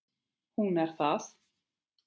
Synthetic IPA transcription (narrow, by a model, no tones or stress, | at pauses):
hunɛɾθas